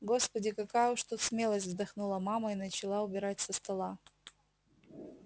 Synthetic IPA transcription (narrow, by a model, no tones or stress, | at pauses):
ɡo̞spədʲɪkɐkajʊʂt̪ut̪smʲe̞lˠəsʲtʲvzd̪ɐxnulˠəmaməinət͡ɕɪlˠaʊbʲɪɾatʲsəst̪ɐlˠa